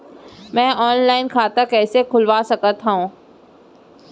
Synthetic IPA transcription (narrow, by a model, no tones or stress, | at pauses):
mɛ̃ːʔɔːnlaːɪnkʰaːt̪akɛːsekʰʊlʋaːsɐkət̪ɦaũː